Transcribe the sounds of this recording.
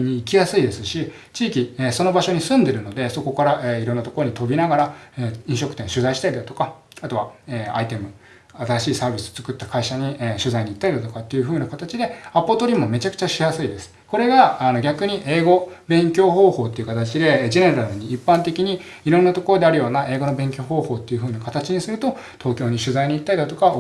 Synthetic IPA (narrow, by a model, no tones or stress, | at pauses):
ɲ̟iːkʲijasɨid̪e̞sɨɕi | t͡ɕiːkʲieːso̞nobaɕo̞ɲ̟isɨ̃nd̪e̞ɾɯ̟no̞d̪e̞so̞ko̞kaɾaʔeiɾõ̞nːat̪o̞ko̞ɾoɲ̟it̪o̞bʲinaɡaɾaeːĩɕo̞kɯ̥t̪ẽɕɨzaiɕi̥t̪aɾid̪at̪o̞ka | at̪o̞βaeːa̰it̪e̞mɯ̟ | at̪aɾaɕiːsaːbʲisɨ̥ot͡sɨ̥kɯ̟t̪ːakaiɕaɲ̟iɕɨzaiɲ̟it̪ːaɾid̪at̪o̞kat̪ːe̞jɯ̟ɸɯ̟ːnakat̪at͡ɕid̪e̞apːot̪oɾʲimo̞me̞t͡ɕakɯ̟̥t͡ɕaɕijasɨid̪e̞sɨ̥ko̞ɾe̞ɡaːno̞ɡʲakɯ̟ɲ̟iʔe̞ːɡo̞bẽ̞ŋkʲo̞ːɦo̞ːho̞ːt̪ːe̞iɯ̟kat̪at͡ɕid̪e̞d͡ʑe̞ne̞ɾaɾɯ̟ɲ̟iːpːãnt̪e̞kʲiɲ̟i | iɾõnːat̪oko̞ɾo̞d̪e̞aɾɯ̟jo̞ːnae̞ːɡo̞no̞bẽ̞ŋkʲo̞ːɦo̞ːho̞ːt̪ːe̞jɯ̟ɸɯ̟ːnakat̪at͡ɕiɲ̟isɨɾɯ̟t̪o̞ | t̪ʰo̞ːkʲo̞ːɲ̟iɕɨzaiɲ̟it̪ːaid̪at̪o̞kaβ